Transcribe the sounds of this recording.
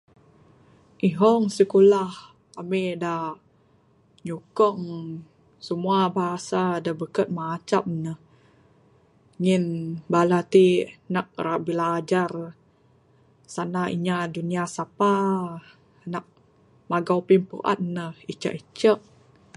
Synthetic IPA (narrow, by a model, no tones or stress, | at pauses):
ʔiɦɔŋsəkulah | ameda | ɲukɔŋ | səmuabaɦasadabəkət̪̚mat͡ʃap̚nəh | ŋinbalat̪inaʔ̚ɾaʔbilaːd͡ʒar | sanaḭɲaduniasapa | naʔ̚ | maɡawpimpṵʔa̰t̪̚nəhit͡ʃa̰ʔit͡ʃəʔ̚